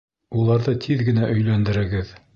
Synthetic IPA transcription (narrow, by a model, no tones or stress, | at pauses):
ulˠɑɾðɤt̪ʰiðɡɘ̆næʔɵ̆jlænd̪ɘ̆ɾɘ̆ɡɘð